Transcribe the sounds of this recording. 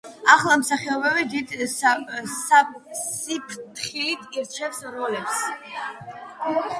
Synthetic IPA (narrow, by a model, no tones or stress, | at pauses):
aχlˠamsaχɛɔbɛvid̪id̪ | sassipʰt̪χilit̪ʰiɾt͡ʃʰɛfsɾɔlɛps